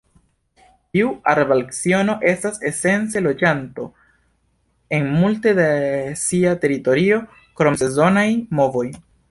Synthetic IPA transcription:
tiuaɾevalksio̞no̞ʔe̞stase̞se̞nt͡se̞lo̞d͡ʒanto̞ | e̞nmulte̞desiate̞ɾito̞ɾio̞ | kɾo̞mse̞zo̞najmo̞vo̞j

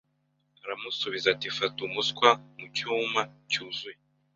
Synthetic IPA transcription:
aɾamusuβizatifatumuskwamucuːmacuːzuje

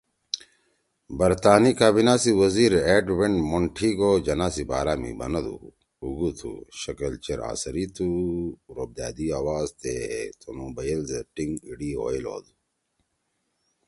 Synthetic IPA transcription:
bɐɾt̪aːnikaːbinaːsiwɐziːɾeːɖweɳmoɳʈʰiɡod͡ʑɐnaːsibaːɾaːmḭbɐ̰nɐd̪ṵː | ɡut̪ʰṵɕɐkɐlt͡ɕeɾa̰ːsɐɾit̪ʰuɾob̚d̪a̰ːd̪iaːwaːzt̪et̪ʰomubajɐlzeʈiŋɡiɽiɦo̰ːjlo̰ːd̪u

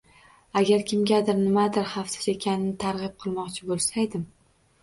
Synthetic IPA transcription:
aɡʲaɾkʲɪmɡʲad̪ɪɾnɪmad̪ɪɾχɑft̪ɪ̥sekʲʰanɪnɪt̪ʰaɾʁɨp̚qʰɨlˠmɒqt͡ʃʰɪbolˠsajd̪ɪm

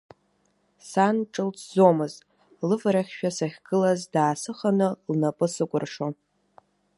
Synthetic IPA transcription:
sanʈ͡ʂʼɨlt͡sʰzomɨzʼ | lɨvɾaχʲʃᶣasaχʲɡ̥ɨlazdaːsɨχanɨlnapʼɨsɨkʷʼʊrʂo

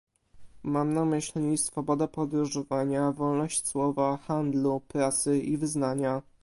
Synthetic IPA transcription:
mamnamɘɕlɲʲisfɔbɔd̪apɔd̪ɾuʐɔvaɲavɔlnɔɕt͡ɕswɔvaxand̪lupɾat̪sɘivɘznaɲa

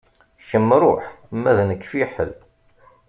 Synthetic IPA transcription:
çəmːɾˤʊħmːæðnəkːfiħə̰l

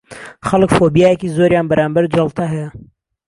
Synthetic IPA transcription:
xɐlɨkfoːbijaːjɛkiːzoːɾjaːnbɐɾʔaːmbɐɾd͡ʒɐlˠt̪ʰɐɦɛjɐ

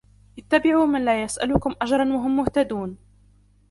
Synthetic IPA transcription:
ʔɪt̪ːabɪʕuːmanlaːjasʔa̰lʊkʊmʔad͡ʒɾˤɑnwaɦʊmːʊht̪ad̪uːn

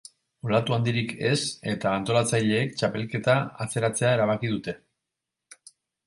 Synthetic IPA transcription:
ulat̪uand̪iɾike̞se̞t̪aːnt̪o̞lat͡sajʎe̞ːk̚t͡ʃape̞lke̞t̪aat͡se̞ɾat͡se̞aeɾaβ̞akiðut̪e̞

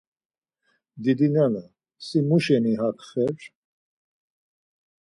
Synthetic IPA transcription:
d̪id̪inana | simuʃɛniɦakχɛɾ

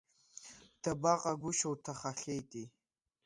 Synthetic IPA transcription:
d̥abaqʼaɡʷʊʃawtʰaχaɬejtʼi

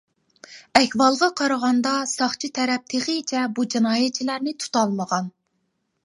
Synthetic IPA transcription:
ɛhʲwɑlˠʁɑqʰɑɾɑʁɑnd̪ɑsɑχt͡ʃʰit̪ʰɛɾɛp̚t̪ʰeχɨt͡ʃʰɛbud͡ʒinɑːjɛt͡ʃʰilæɾnɪt̪ʰu̥t̪ɑlˠməʁɑn

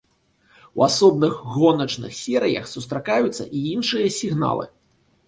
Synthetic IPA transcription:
wasɔbnɨɣːɔnɐt͡ʂnɨ̰xsʲɛɾɨjɐ̰xsust̪ɾakajut̪sːɐ̰ʔiinʂɨjɐsʲiɣna̰lˠɨ̰

